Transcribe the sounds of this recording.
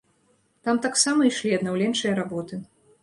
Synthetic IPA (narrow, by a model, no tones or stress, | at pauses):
t̪amt̪aksamɐiʂlʲiɐd̪nawlʲɛnt͡ʂɨjɐɾabɔt̪ɨ